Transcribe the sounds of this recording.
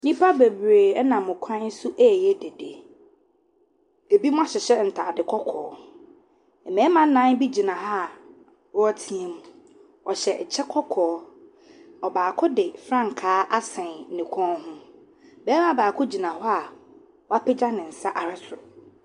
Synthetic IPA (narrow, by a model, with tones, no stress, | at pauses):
nĩ˦pʰa˦be˨bɾeː˨ɛ˦nã˨mʊ̃˨kʷʰã˦n̩˦sʊ˦ʔɛ˦˨jɛ˦de˨de˨ | e˨bi˦mʊ̃˦a˦ɕɛ˨ɕɛ˦n̩˨tʰa˨dɪ˨kʰɔ˦kʰɔ̰ː˨˦ | ɛ˨mɛ̃˨˦mã˨n̩˦nã˦n˦bi˦d͡ʑi˨nã˨ɦa˦˨ | wɔ˦a˦tʰĩ˦ẽ˨m̃˨ | ɔ˨ɕɛ˨ʔt͡ɕʰɛ˦kʰɔ˦kʰɔː˨˦ | ɔ˨baː˨kʰʊ˦dɪ˨fɾã˦ŋ˨kʰaː˦ʔa˦sɛ̃˨n̩˨ɪ̃˨kʰɔ̃˦n˦ɦʊ̃˦ | bɛː˦mã˨baː˨kʰʊ˦d͡ʑi˨nã˨hɔ˦a˨ | wɔ˦a˦pʰɛ˦d͡ʑa˦nɪ̃˨n̩˨sa˦ʔa˨ɾɛ˦sʊ˨ɾʊ˨